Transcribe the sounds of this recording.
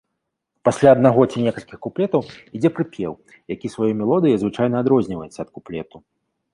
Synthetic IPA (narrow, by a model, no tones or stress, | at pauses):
pasʲlʲaɐd̪naɣɔt͡sʲinʲɛkɐlʲkʲixkuplʲɛt̪ɐwid͡zʲɛpɾɨpʲjɛw | jakʲisvajɔmʲɛlˠɔd̪ɨjɐzvɨt͡ʂajnɐːd̪ɾɔzʲnʲivɐjɛt̪sːɐːt̪̚kuplʲɛ̰t̪u